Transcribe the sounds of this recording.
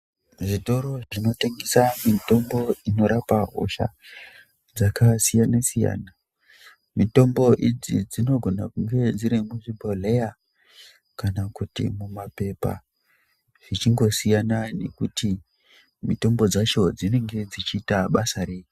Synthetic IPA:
ʐito̞ɾo̞ʐino̞teŋɡesamito̞mbo̞ino̞ɾapaɦo̞̰ʃa̰ | d͡zakasijanasija̰ːna | mito̞mbo̞ʔid͡zḭd͡zino̞ɡʱo̞nakuŋɡe̞d͡ziɾimuʐibʱole̞ja | kanakutḭmumape̞pa̰ | ʐ̥it͡ʃiŋɡo̞sijanane̞kuti | mito̞mbo̞d͡zat͡ʃo̞d͡zine̞ŋɡe̞d͡zit͡ʃiːtaɓasaɾe̞ːji

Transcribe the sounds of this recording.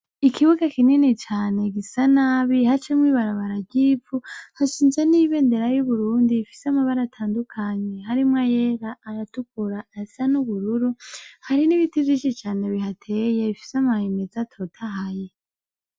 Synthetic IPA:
ikʰiβuɡakininit͡ʃaːne̞ɡisanaːβihat͡ʃemwiːβaɾaβaɾaɟiːvuhaʃiːnze̞niβe̞ːnde̞ɾajuβuɾuːndiːfi̥seamaβaɾatʰaːndukʰaɲe̞haɾimŋajeɾaːɾatuk̚uɾaːsanuβuɾuɾuhaɾiniβitizit͡ʃit͡ʃaːne̞βihatʰeje̞βifi̥samaheme̞zatʰo̞tʰaɦaje̞

